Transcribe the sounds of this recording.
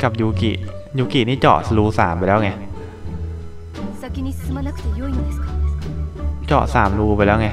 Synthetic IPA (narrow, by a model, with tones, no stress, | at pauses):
ka˨˩p̚juː˧kḭ˨˩ʔ | juː˧ki˨˩niː˥˩t͡ɕɔ̰ː˨˩ʔsluː˧saː˩˦mpa˧jlɛː˦˥˩ŋa˧˥˨ | t͡ɕɔ̰ː˨˩ʔsaː˩˦mɾuː˧pa˧jlɛː˦˥˩ŋa˦˥˩